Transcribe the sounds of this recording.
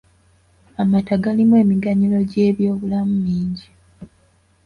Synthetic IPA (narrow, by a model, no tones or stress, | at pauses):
amataɡalimwe̞ːmiɡaɲilo̞ɟe̞ːβjo̞ːβulamumiːɲɟi